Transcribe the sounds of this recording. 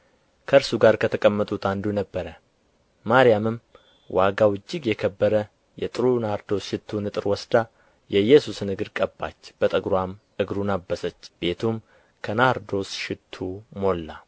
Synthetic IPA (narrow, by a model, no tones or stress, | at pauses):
kʰəɾsuɡaɾkʰət̪ʰəkʼəmːət̪ʼut̪ʰand̪unəbːəɾə | maɾijamɨm | wʔaɡawɨd͡ʒːɪɡjɛkʰəbːəɾə | jɛt̪ʼɨɾunahɾd̪o̞sʃɪt̪ʰːunɨt̪ʼɨɾwɔsd̪a | jɛjːɛsusnɨɡɨd̪kʼəbːa̰t͡ʃːb̥ət̪ʼəɡɾwam | ɨɡɾunabːəsət͡ʃːb̥e̞t̪ʰum | kʰənaɾd̪o̞sʃɪt̪ʰːumo̞lːa